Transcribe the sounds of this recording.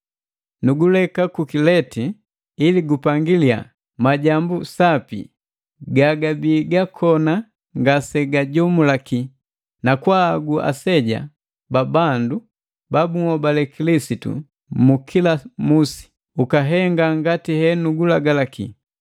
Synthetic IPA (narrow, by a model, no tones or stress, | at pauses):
nuɡulɛkakukilɛti | iliɡupaŋɡilia̰ | maɟambusapḭ | ɡaɡabiːɡakʰɔna | ŋɡasɛɡaɟɔmulaki | nakwaːɡuʔa̰sɛɟa̰ | babandu | babuŋɔbalɛkilisitṵ | mukʰilamusi̥ | ukaɦɛŋɡaŋɡatihɛnuɡulaɡalakḭ